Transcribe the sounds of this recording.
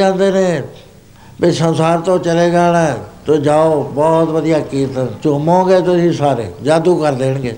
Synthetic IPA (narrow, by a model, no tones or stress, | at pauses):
ãːnd̪eːnẽː | bɪsənsaːɾt̪õːt͡ʃəleːɡaːlãt̪ʊd͡ʒaːoːbɔːt̪ʋəd̪ijaːkiːt̪t͡ʃoːmõːɡeːt̪ʊsĩːsaːɾḛːd͡ʒaːd̪uːkəɾd̪eːɳɡeː